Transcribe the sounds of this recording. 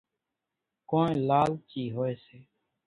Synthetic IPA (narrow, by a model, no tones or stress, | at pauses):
kõːnẽlaːlt͡ʃiːɦoːeːseː